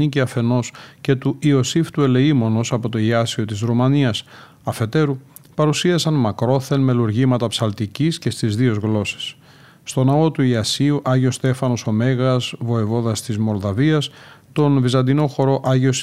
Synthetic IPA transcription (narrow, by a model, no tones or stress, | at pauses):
iciɐfe̞no̞sce̞t̪uʔio̞sift̪ue̞le̞imo̞no̞sɐpo̞t̪o̞iɐsio̞t̪izɾumɐniɐs | ɐfe̞t̪e̞ɾu | pɐɾusiɐsɐnmɐkɾo̞θe̞nme̞luɾʝimɐt̪ɐpsɐlt̪icisce̞st̪izðio̞zɣlo̞se̥s | st̪o̞nɐo̞t̪uiɐsiuʔɐʝio̞st̪e̞fɐno̞so̞me̞ɣɐzvo̞evo̞ðɐst̪izmo̞lðɐviɐst̪o̞nvizɐnd̪ino̞xo̞ɾo̞ʔɐʝio̞s